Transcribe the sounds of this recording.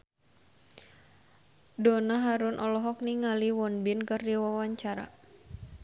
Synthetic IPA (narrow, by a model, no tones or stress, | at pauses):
donaɦaɾʊnʔɔlɔɦɔk̚niŋaliwɔnbɪnkərdiwawaɲt͡ʃaɾa̰